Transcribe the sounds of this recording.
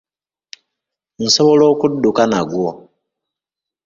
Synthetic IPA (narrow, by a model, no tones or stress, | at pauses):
n̩soβoloːkudːukanaɡwo